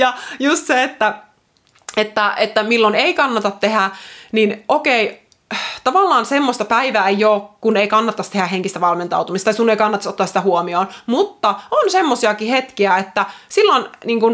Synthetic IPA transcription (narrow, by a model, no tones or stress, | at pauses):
jɑjust̪seet̪ːæ | et̪ːæet̪ːæmilːoneikɑnːɑt̪ɑt̪ːehæninʔokei | t̪ɑʋɑlːɑːnsemːosʲt̪ɑpæiʋæːejoːkkuneikɑnːɑt̪ːɑst̪ehæɦeŋkist̪æʋɑlment̪ɑ̰ut̪umist̪ɑiskuneikɑnːɑt̪ːˑɑsot̪ːɑsi̥t̪æhuomioːnmut̪ːɑonsemːosiɑkihet̪kiæet̪ːæsilːonniːŋkun